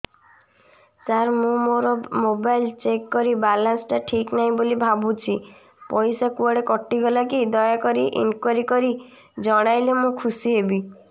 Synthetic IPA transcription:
t͡ʃaɾmũmoɾɔmobajlt͡ʃekːɔɾibalansʈaʈʰiknaɦĩbolibʱabut͡ʃʰi | pɔjsakuɔɽekɔʈːiɡɔlakid̪ɔjakɔɾiʔḭnkwaɾikɔɾi | d͡ʒɔɽ̃ajlemũkʰusiɦebi

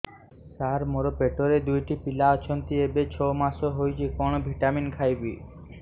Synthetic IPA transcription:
t̪aɾmoɾopeʈoɾed̪ujʈipilaɔt͡ɕʰont̪iebet͡ɕʰomaʃoɦojt͡ɕʰikoñobʱiʈaminkʰajbi

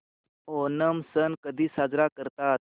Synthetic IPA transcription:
onəmsənkəd̪ʱiːsad͡zɾakəɾt̪at̪̚

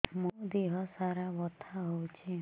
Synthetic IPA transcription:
mũd̪iɦɔsaɾabɔt̪ʰaɦowt͡ʃʰe

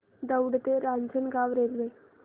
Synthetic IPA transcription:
d̪əwɽt̪eɾaɲd͡zənɡaʋɾelʋe

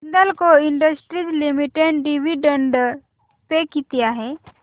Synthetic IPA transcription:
nd̪əlkoɪɳɖəsʈɾid͡ʒlimiʈeɖɖiʋiɖə̃ɳɖ | pekit̪ijaɦɛ

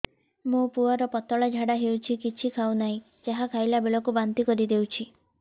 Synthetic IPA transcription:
mũpuaɾɔpɔt̪ɔɭad͡ʒʱaɽaɦewt͡ʃʰikit͡ʃʰikʰawnaɦĩ | d͡ʒaɦakʰajlabeɭɔkubant̪ikɔɾid̪ewt͡ʃʰi

